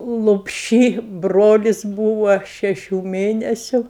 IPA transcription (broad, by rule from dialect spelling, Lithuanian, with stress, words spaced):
lˠoːpʲˈʃʲiː ˈbroːlʲɪs ˈbuːʋɐ ˈʃʲæːʃʲuː ˈmʲeːnʲɛsʲʊ